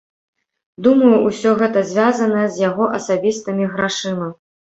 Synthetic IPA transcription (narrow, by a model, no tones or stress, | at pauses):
d̪umɐjuʔusʲɔɣɛt̪ɐzʲvʲazɐnɐjɛzʲjaɣɔʔɐsabʲist̪ɨmʲiɣɾaʂɨlˠɐ